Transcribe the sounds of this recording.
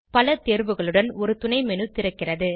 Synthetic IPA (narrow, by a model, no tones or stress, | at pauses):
pɐlɐt̪eːɾʋɯɣɐɭɯɽɐnɔɾɯt̪ʊɳɐɪmɛnɯt̪ɪɾɯkːɪrɐðɯ